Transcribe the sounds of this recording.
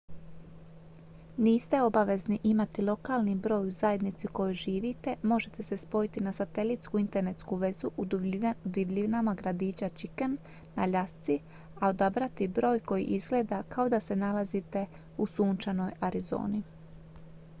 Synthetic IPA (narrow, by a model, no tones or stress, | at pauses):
niːst̪e̞o̞baʋe̞zniʔimat̪ilˠo̞kaːlˠnibɾo̞ːjuzaje̞d̪nit̪siko̞joʒiːʋit̪e̞mo̞ʒe̞t̪e̞se̞spo̞jit̪inasat̪e̞lit̪skuint̪e̞ɾne̞t̪skuʋe̞zuʔud̪iʋʎiʋnamaɡɾad̪iːt͡ɕat͡ʃikanː | a̰ʎast̪si | ao̞d̪abɾat̪ibɾo̞ːjko̞jḭʔizɡle̞ːd̪akao̞d̪ase̞nalazit̪e̞ | usuːnt͡ʃano̞jaɾizo̞̰ːni